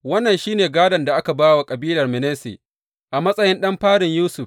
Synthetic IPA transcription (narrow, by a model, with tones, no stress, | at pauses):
wɐ˦nːɐ˨nʃiː˦neː˨ɡaː˦dɐ˨nda˨ʔa˦ka˨baː˦wa˨kʼɐ˨biː˦lɐ˨rmɪ˨neː˦sḛ˨ | ʔa˨mɐ˦sʼɐ˦jɪ˦nɗɐ˦mɸaː˦ɽɪ˨ɲjuː˦sʊ˨ɸ